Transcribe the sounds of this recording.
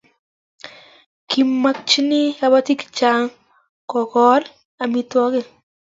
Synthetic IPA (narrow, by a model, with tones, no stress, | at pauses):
ki˨mːa˦k̚t͡ʃi˦ni˦ka˨˧ba˦t̪i˦kt͡ʃa˦ŋ | kɔ˨kɔ˦l | a˨mi˦t̪wɔ˦ke˦˨